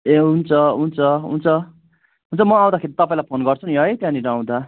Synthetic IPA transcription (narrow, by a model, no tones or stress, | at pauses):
eɦunt͡sʰʌɦunt͡sʰʌɦṵnt͡sʰʌ | ɦunt͡sʰʌmʌaw̃d̪akʰeɾit̪ʌpãĩlajpʰonɡʌrt͡sʰuniɦʌjt̪jãniɾaw̃d̪a